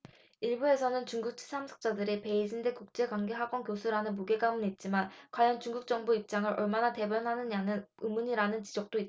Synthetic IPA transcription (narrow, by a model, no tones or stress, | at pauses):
iɭbue̞sʰʌnɯnt͡ɕuŋɡuk̚t͡ɕʰi̥sʰamsʰʌ̥k̚t͡ɕ͈adɯɾipe̞id͡ʑinde̞kuk̚t͡ɕ͈e̞kwaŋɡe̞ɦaɡwʌnkjosʰuɾanɯnmuɡe̞ɡamunit̚t͡ɕ͈imankwajʌnt͡ɕuŋɡuk̚t͡ɕ͈ʌŋbuip̚t͡ɕ͈aŋɯɾʔʌɭmanate̞bjʌnɦanɯɲanɯnɯmuɲiɾanɯnt͡ɕid͡ʑʌk̚t͈oit̚